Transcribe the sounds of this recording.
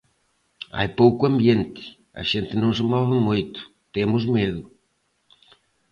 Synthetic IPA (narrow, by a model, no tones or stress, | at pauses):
a̰jpowkʊɐmbjent̪ɪ̥ | ɐ̰ʃent̪ɪnõw̃s̬ɪmɔβɪmojt̪ʊ̥ | t̪emʊzmeðʊ